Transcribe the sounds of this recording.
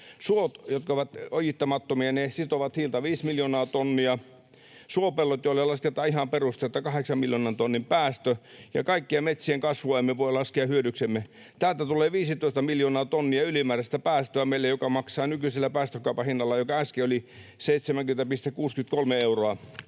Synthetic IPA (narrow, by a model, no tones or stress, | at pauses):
suot̪jot̪̚kɑoʋɑt̪ojit̪ːɑmɑt̪ːomiɑnesit̪oʋɑt̪hiːlt̪ɑʋiːsmiljoːnɑːt̪onːiɑ | suopelːot̪jolːelɑsket̪ːɑihɑmperust̪et̪ːɑkɑheksɑmmiljonɑnt̪onːimpæːst̪øjɑ̰kɑikːiemet̪sieŋkɑsʋoemːeʋoilɑskeɑhyødyksemːe | t̪æːlt̪æt̪uleːʋiːsit̪oˑist̪ɑmiljoːnɑːt̪onːiɑylimæːrest̪æpæːst̪øæmeilːejokɑmɑksɑːnykyiselːæpæːst̪økːɑupɑhinːɑlːɑjokɑæskeoliseit̪semæŋkymen̆t̪æpist̪ekuːskymt̪kolmeeuroɑ